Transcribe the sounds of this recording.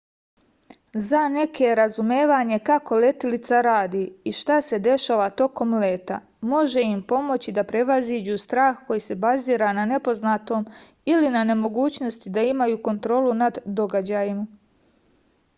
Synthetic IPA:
zane̞kʰe̞ɾazumeːʋaɲe̞kako̞le̞t̪ilit̪saɾaːd̪iːiʃt̪ase̞d̪e̞ʃaːʋat̪o̞ko̞mle̞ːt̪a̰ | mo̞ʒe̞impo̞mo̞t͡ɕid̪apɾe̞ʋaziːd͡ʑust̪ɾaːxko̞jiːse̞baziːɾanane̞po̞znat̪o̞ːm | ilinane̞mo̞ɡuːt͡ɕno̞st̪id̪aimajuːko̞nt̪ɾo̞ːlunad̪ːo̞ɡad͡ʑaːjima

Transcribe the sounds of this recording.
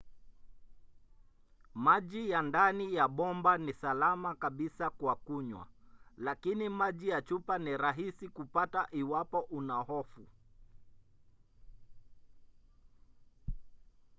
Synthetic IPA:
maʄijandanijaɓɔmbanisalamakaɓisakwakuɲwa̰lakinimaʄijat͡ʃupaniɾaɦisikupataʔiwapɔʔunahɔfu

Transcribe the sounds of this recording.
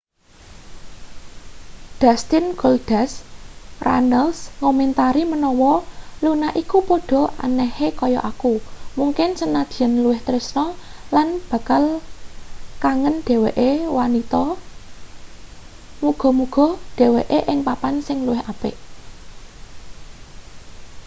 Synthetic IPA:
d̥ast̪ɪnɡold̥asrʔa̰nəlsŋɔmɛnt̪aɾimənɔwɔlunaʔikupoɖ̥ɔ̤ʔa̰nɛhekɔjɔ̰ʔakumuŋkɪnsənad̪̥i̤ɛnluwɪht̪ɾɪsnɔlanb̥ä̤kal | kaŋənɖ̥e̤weʔewanit̪ɔ | muɡ̥ɔ̤muɡ̥ɔ̤ɖ̥e̤weʔeʔɪŋpapansɪŋluwɪɦapɪ̰ʔ

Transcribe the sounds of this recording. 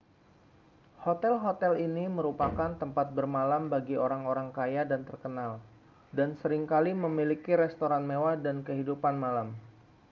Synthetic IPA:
hot̪ɛlɦot̪ɛliniməɾupakant̪əmpat̪̚bərmalambaɡioɾaŋoɾaŋkajadant̪ərkənal | dansəɾɪŋkaliməmilikiɾɛst̪oɾanmewadankəɦidupanmalam

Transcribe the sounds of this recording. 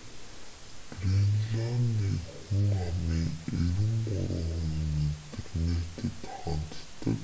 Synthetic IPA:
prinɮaniːxuŋamiːŋeɾɘ̆mɢɔ̰ɾɔːʁiːmet̪ɘ̆knet̪ɘ̆t̪χɔnt̪t̪ːə̰̆k

